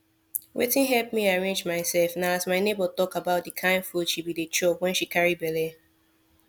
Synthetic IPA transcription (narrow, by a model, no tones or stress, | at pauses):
wʔḛtɪ̃nɦɛlp̚miaɹẽnd͡ʒmaɪsɛlfnaʊazmaɪnebətɔkabaʊt̚dəkʰãɪ̃nfudʃibidet͡ʃɔpwɛ̃nʃikaɹibɛle